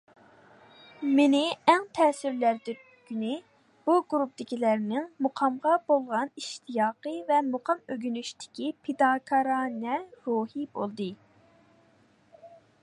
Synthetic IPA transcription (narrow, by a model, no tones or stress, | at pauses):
menɪɛŋt̪ʰɛːsyɾlæɾd̪y | ɡ̥ʲynɪ | b̥uɡuɾup̚d̪ɪkʲilæɾnɪŋmuqʰɑmʁɑbolˠʁɑniʃt̪ʰijɑːqəvɛmuqɑmøɡʲynyʃt̪ɪ̥kʲipʰɪd̪ɑkʰɑɾɑnɛɾuhibolˠd̪ɨ